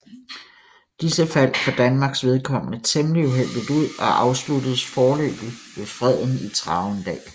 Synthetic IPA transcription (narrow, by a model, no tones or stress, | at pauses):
d̥isəfæl̰fɒ̽d̥ænmɑ̈ːɡ̥sʋe̝ð̞ˠkʰɒ̽m̰ənət͡sʰemliuɦel̰d̥iuð̞̰ˠɒ̽ʔɑ̈ʊslud̥əð̩ˠsfɒːlø̰ːb̥iʋe̝fʁɛð̰ˠn̩it͡sʰʁɑ̈ʊnd̥ɛ̰ː